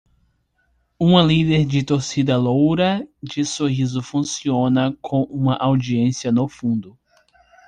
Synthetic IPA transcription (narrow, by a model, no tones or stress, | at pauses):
ũmɐlid̪eɾd͡ʒɪt̪oɾsid̪ɐlowɾɐd͡ʒɪsoɦizʊfũsiõnɐkʰõw̃ʔũmɐʔawd͡ʒiẽsiɐnofũd̪ʊ